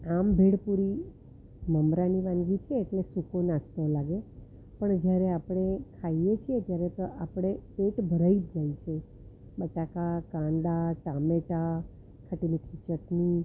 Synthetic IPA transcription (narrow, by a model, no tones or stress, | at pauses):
ambʱeɽpuɾi | məmɾaniʋãŋɡit͡ʃʰeːʈlesukonast̪olaɡe | pəɳd͡ʒjaɾeapɽ̃ekʰaijet͡ʃʰiet̪jaɾet̪oʔapɽ̃epeʈbʱəɾaid͡ʒd͡ʒait͡ʃʰe | ɓəʈakakãɳɖ̪aʈameʈa | kʰəʈiniʈʰit͡ʃəʈni